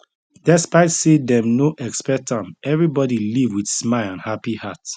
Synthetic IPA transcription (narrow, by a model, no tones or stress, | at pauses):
dɛspaɪtsedɛ̃mnoʔɛkspɛtʰãmʔɛvɹibɔdilivwid̥smaɪlãnhapihat